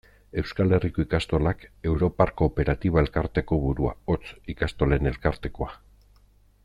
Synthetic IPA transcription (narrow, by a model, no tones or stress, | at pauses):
e̞wskale̞riko̞ikast̪o̞lake̞wɾo̞parko̞ːpe̞ɾat̪iβ̞ae̞lkaɾt̪e̞ko̞βuɾua̰o̞t͡sikast̪o̞le̞ne̞lkaɾt̪e̞ko̞a